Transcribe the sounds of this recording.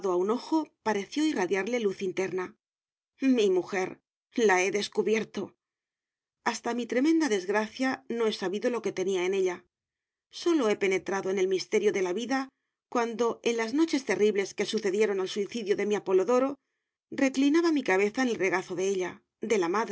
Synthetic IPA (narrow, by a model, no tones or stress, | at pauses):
ðoauno̞xo̞paɾe̞θjo̞iraðjaɾle̞luθint̪e̞ɾna | mimuxe̞ɾ | lae̞ðe̞skuβje̞ɾt̪o̞ | ast̪amit̪ɾe̞mẽ̞nd̪aðe̞zɣɾaθjano̞e̞saβiðo̞lo̞ke̞t̪e̞niae̞ne̞ʎa | so̞lo̞e̞pe̞ne̞t̪ɾaðo̞e̞ne̞lmist̪e̞ɾjo̞ðe̞laβiða | kwand̪o̞e̞nlazno̞t͡ʃe̞st̪e̞riβle̞ske̞suθe̞ðje̞ɾo̞nalsuiθiðjoðe̞miapo̞lo̞ðo̞ɾo̞ | re̞klinaβamikaβ̞e̞θaenelre̞ɣaθo̞ðe̞eʎa | d̪e̞lamað